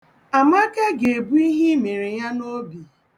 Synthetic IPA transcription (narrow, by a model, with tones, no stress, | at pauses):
a˨ma˦ke˦ɡe˨bu˦i˦ɦi˦me˨ɾe˨ja˦no˦bi˨